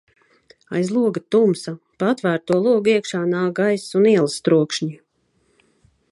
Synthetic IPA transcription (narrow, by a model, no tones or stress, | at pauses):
a̰jzlˠuɔɡat̪umsa | pat̪væːɾt̪uɔlˠuɔɡiɛkʃaːnaːɡajsuniɛlˠst̪ɾuɔkʃɲi